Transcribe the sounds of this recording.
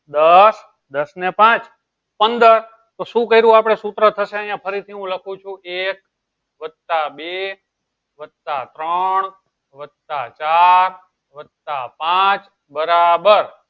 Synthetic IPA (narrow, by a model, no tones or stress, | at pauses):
d̪əs | d̪əsnepãt͡ʃ | pənd̪əɾ | t̪oʃũkəiɾũapɽ̃esut̪ɾət̪ʰəʃeəjãpʰəɾit̪ʰiɦũləkʰũt͡ʃʰũʔek̚ | ʋət̪abe | ʋət̪ːat̪ɾəɳ | ʋət̪at͡ʃaɾ | ʋət̪apãt͡ʃ | bəɾabəɾ